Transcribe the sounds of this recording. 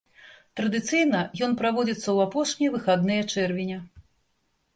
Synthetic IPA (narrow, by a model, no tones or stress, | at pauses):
t̪ɾɐd̪ɨt̪sɨjnɐjɔnpɾavɔd͡zʲit̪sːɐwapɔʂnʲɛjvɨxad̪nɨjɐt͡ʂɛrvʲinʲɐ